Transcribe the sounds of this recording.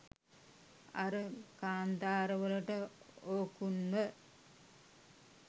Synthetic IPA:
aɾəkaːnd̪aːɾəʋələʈəoːkunmə

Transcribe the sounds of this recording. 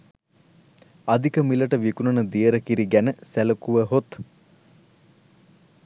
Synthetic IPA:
ad̪ikəmiləʈəʋikunənəd̪ijəɾəkiɾiɡænəsæləkuʋəɦot̪

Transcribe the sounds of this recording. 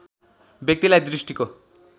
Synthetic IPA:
bjek̚t̪ilajd̪ɾisʈiko

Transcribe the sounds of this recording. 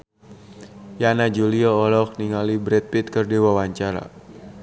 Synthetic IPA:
janad͡ʒuliɔːlɔk̚niŋalibɾɛt̪̚pit̪̚kərdiwawaɲt͡ʃaɾa̰

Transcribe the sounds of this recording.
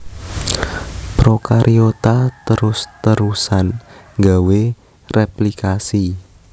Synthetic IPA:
pɾokaɾʔiot̪at̪əɾʊst̪əɾusanŋɡawe | replikasi

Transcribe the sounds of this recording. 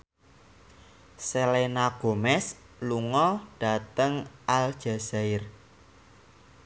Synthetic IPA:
selenaɡ̥o̤mɛs | luŋɔɖ̥a̤t̪əŋald̥ʒ̥a̤zaɪr

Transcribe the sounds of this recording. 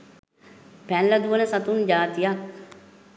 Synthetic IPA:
pɛnləd̪uʋənəsat̪und͡ʒaːt̪ijak̚

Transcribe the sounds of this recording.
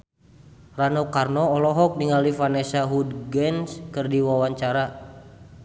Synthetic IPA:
ranɔkarnɔːlɔɦɔk̚niŋalifanɛsaɦudɡɛnskɨrdiwawaɲt͡ʃaɾa

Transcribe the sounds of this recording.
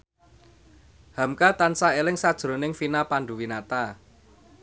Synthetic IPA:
ha̤mkat̪ansaelɪŋsad̥ʒ̥ɾo̤nɪŋfinapanɖuwinat̪a

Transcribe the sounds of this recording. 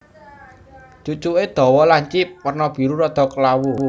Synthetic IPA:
t͡ʃut͡ʃuʔed̪̥ɔ̤wɔlaɲt͡ʃɪp̚wərnɔb̥i̤ɾuɾɔd̪̥ɔ̤kəlawu

